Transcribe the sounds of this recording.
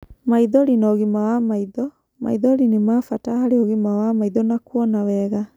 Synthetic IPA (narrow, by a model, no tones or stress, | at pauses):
maiðɔɾinɔɣimawamaiðɔ | ma̰iðɔɾinemafatahaɾeoɣimawamaiðɔnakwɔnawɛɣa